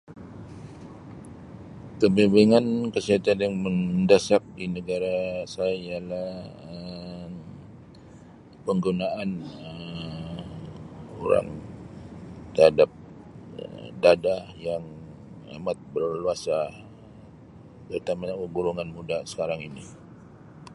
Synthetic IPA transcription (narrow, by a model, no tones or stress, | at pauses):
kəbibeŋankəsiat̪anjaŋməndasak̚dinəɡaɾasajaialaə | pəŋɡunaʔanə | o̰ɾa̰ŋ | t̪əhadap̚ | dadajaŋ | a̰mat̪̚bərluasa | t̪ərt̪amaaəɡuɾuŋanmudasə̥kaɾaŋini